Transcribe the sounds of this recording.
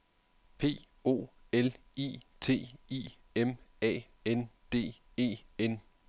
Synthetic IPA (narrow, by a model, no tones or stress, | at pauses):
pʰe̝̰ː | o̝̰ː | el | ḭːt͡sʰe̝̰ːḭː | emɛ̰ː | en | d̥e̝̰ːe̝̰ːen